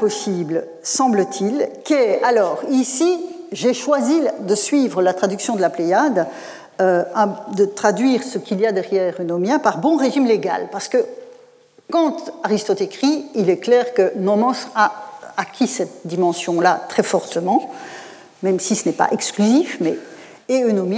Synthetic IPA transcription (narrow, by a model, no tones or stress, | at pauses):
pɔsiblə | sɑ̃blət̪ʰilkɛalɔːʁisiʒeʃwazid̪əsɥivʁəlat̪χad̪yksjɔ̃d̪əlaplejad̪ | ø̃d̪ət̪χad̪ɥiːʁsəkʲilijad̪ɛʁjɛʁənomjãpaʁbɔ̃ʁeʒimleɡa̰lpaʁsə̥kə | kɑ̃t̪aʁist̪ɔt̪ekχiilɛklɛʁkənɔmɑ̃saakʲʰisɛt̪̚d̪imɑ̃sjɔ̃lat̪χɛfɔʁt̪əmɑ̃ | mɛmsisənɛpa̰ʔɛksklyzifmɛ̰ | eønomjɛ̃